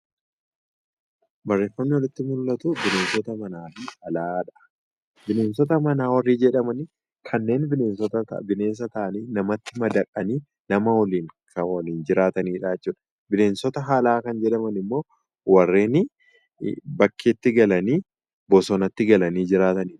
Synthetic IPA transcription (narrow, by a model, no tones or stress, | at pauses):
bɐrːe̞ːfːɐmnɪwɔlɪt̪ːɪmʊlːɐt̪ʊbɪne̞ːnsɔt̪ɐmɐnaːfiːhɐlaːᶑɐ̥ | bɪne̞ːnsɔt̪ɐmɐnaːwɐrːiːd͡ʒɛᶑɐmɐn | kʰɐnːe̞ːnbɪne̞ːnsɔt̪ɐɐ̰bɪne̞ːns̬ɐt̪ɐʔɐniːnɐmɐt̪ːɪmɐd̪ɐkʼːɐniː | nɐmɐwɐliːŋkʰɐwɐliːnd͡ʒɪɾaːt̪ɐniːᶑaɛt͡ʃːuːᶑɐ̥ | bɪne̞ːnsɔt̪ɐɦalaːkɐnd͡ʒɛᶑɐmɐnɪmːo̞ː | wɐrːe̞ːnɪ | bɐkʰːeːt̪ːɪɡɐlɐniː | bɔsɔnɐt̪ːɪɡɐlɐniːd͡ʒɪɾaːt̪ɐniːᶑɐ̥